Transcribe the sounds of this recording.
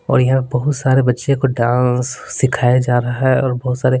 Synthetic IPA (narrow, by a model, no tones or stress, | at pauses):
ɔ̰ːɾjɐɦãpebɐɦʊt̪saːɾebɐtːʃẽkoɖãːsːɪkʰaːjad͡ʒaːɾɐɦaɦɛɔːɾbɐɦʊt̪saːɾe